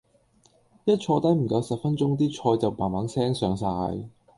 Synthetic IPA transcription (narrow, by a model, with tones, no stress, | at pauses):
jɐ˥t̚t͡ʃʰɔː˧t̪ɐ˨˥jm̩˨˩kɐ˨˧wsɐ˨p̚fɐ˥nt͡sʊ˥ŋt̪iː˥t͡ʃʰɔː˧jt͡sɐ˨wpaː˨˩nmaː˨˥nsɛː˥ŋsœː˨˧ŋsaː˧j